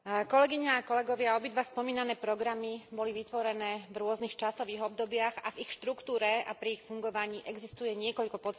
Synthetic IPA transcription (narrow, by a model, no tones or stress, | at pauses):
kɔlɛɡiɲaːkɔlɛɡɔʋɪaɔbid̪ʋaspɔmiːnanɛːpɾɔɡɾamibɔliʋit̪ʋɔɾɛnɛːvɾʊɔznixt͡ʃasɔʋiːɣɔb̚d̪ɔbɪaɣavixʃt̪ɾukt̪uːɾɛa̰pɾiːxfuŋɡɔʋaɲiːʔɛɡzist̪ujɛɲɪɛkɔʎkɔpɔt͡s